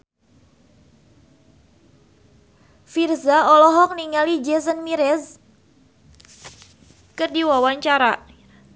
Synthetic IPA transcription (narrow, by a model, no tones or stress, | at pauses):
firzaɔlɔɦɔk̚niŋalid͡ʒɛsənmiɾɛz | kərdiwawaɲt͡ʃaɾa